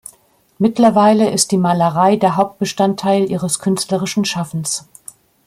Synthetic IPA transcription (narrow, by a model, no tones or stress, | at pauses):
mɪtlɐvaɪləʔɪst̚d̥iːmaːləʁaɪdeːɐɦaʊp̚t̚b̥əʃtantʰaɪlʔiːʁəskʰʏnstləʁɪʃn̩ʃafn̩s